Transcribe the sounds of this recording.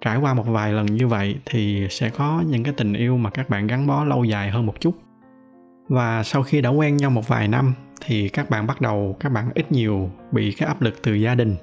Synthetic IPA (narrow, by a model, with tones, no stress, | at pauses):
t͡ɕaː˧˩jkwaː˧mo˨˩t̚vaː˨˩jlə˨˩nɲɨ˧və̰˧˨jt̪ʰi˨˩sɛ̰˧˥kɔ˨˦ɲɨ̰˧˥ŋkaː˨˦jt̪ï˨˩ŋ̟ʔi˧əwmaː˨˩kaː˦˥k̚ɓa̰ː˧˨nɣa˨˦nɓɔ˨˦lə˧wza̰ː˧˩jɦəː˧nmo˨˩t̚t͡ɕu˦˥t̚ | vaː˨˩sa˧wxi˧ɗa̰˧˥kwɛ˧nɲa˧wmo˨˩t̚va̰ː˨˩jna˧mt̪ʰi˨˩kaː˦˥k̚ɓa̰ː˧˨nɓa˦˥t̚ɗə˨˩wkaː˦˥k̚ɓa̰ː˧˨nʔi˦˥t̚ɲi˨˩əwɓḭ˧˨kaː˨˦jʔaː˦˥p̚lɨ˨˩k̚t̪ɨ˨˩zaː˧ɗï˨˩ŋ̟